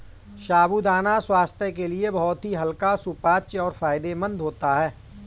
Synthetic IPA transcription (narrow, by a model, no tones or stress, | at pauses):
ʃaːbud̪aːnaswaːst̪ʰjək̬eliebɐɦɔt̪ɦiɦɐlkasupaːt͡ʃɔːɾfaːjɪd̪emə̃nd̪ɦoːt̪aɦɛː